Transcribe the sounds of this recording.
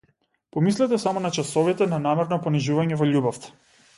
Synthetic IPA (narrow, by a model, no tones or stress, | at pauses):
pɔmislɛt̪ɛsamɔnat͡ʃasɔvit̪ɛnanamɛɾnɔpɔniʒuvaɲɛvɔʎubɔft̪ɛ̥